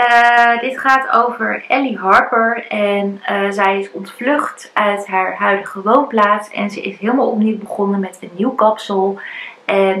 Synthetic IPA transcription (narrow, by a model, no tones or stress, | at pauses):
ədɪtχaːto̰wvəɹʔɛliɦɑɹpəɹɛnəzɛjɪsɔntflɵχt | œɥtɦaːɹɦœɥdəχəʋownplaːtsɛ̰nzəʔɪsɦɪːlˠmaːlˠɔpniwbəχɔnəmɛtənːiwkɑpsəlˠʔɛn